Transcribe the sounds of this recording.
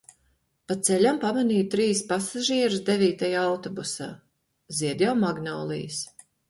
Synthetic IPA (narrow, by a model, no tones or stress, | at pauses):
pat̪sɛlʲampamaniːt̪ɾiːspasaʒiɛɾusd̪eviːt̪ajaawt̪ɔbusaː | ziɛd̪ʲjawmaɡnɔːlˠḭjs